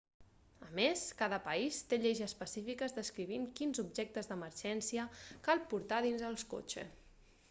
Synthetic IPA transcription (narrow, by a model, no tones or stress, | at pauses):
əmeskaðəpəist̪eʎɛʒəːspəsifikəzðəskɾiβ̞iŋkinzubʒɛk̚t̪əzðəməɾʒɛnsiəkalˠpuɾt̪aðinzəlˠsko̰t͡ʃə̰